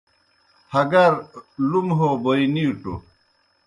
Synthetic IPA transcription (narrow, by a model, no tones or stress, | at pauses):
hɐɡɐɾlumɦoboiniuʈo̰